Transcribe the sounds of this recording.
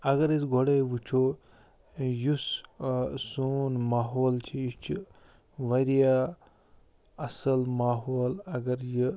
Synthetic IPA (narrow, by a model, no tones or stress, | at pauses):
ɐɡɐɾjisɡʱoɽejʋut͡ʃʰoː | jus | soːnmaːɦoːlt͡ʃʰijit͡ʃʰi | ʋɐɾija | ɐsɐlmaːɦoːlɐɡɐɾji